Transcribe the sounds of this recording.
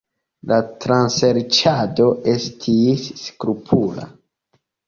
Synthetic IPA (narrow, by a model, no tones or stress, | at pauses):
latɾanseɾt͡ʃado̞ʔe̞stʰisːkɾupʰula̰